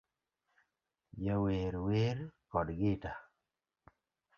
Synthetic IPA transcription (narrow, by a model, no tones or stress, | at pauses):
d͡ʒaweɾweɾkɔdɡɪta